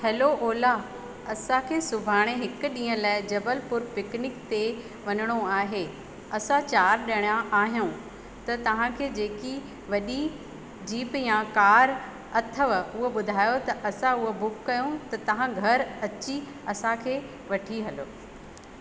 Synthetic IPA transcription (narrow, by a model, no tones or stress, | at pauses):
hɛːloʔoːla | ɐsãkʰeːsʊbʱaːɽ̃eɦɪkɗĩːə̃laːɪd͡ʑɐbəlpʊɾpɪknɪkt̪e | ʋɐnəɽ̃oaːɦeː | ɐsãt͡ɕaːɾɗɐɽ̃jãʔaːɦijũ | t̪ɐt̪ɐʋ̤ãkʰeːd͡ʑeːki | ʋɐɗi | d͡ʑiːpjãkaːɾ | ɐt̪ʰəʋʊɦoɓʊd̪ʱaːjot̪ɐʔɐsãʊɦobʊkːɐjõt̪ɐt̪ɐʋ̤ãɡʱɐɾɐt͡ɕi | ɐsãkʰeː | ʋɐʈʰiɦɐloː